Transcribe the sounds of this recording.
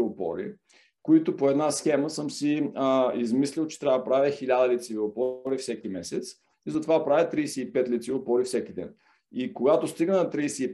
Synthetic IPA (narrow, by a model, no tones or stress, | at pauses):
lˠopɔ̰ɾḭ | koit̪opoɛd̪nasxɛməsɤmsiizmislʲilˠt͡ʃɛ̥t̪ɾʲavd̪pɾavʲəxilʲad̪əlit̪sivilˠopɔɾifsɛkimɛsɛt̪s | izɐt̪ovapɾavʲət̪ɾijsɛipɛt̪lʲit̪silˠopɔɾifsɛkid̪ɛ̰n | ikoɡat̪ost̪iɡənɐt̪ɾijsɛi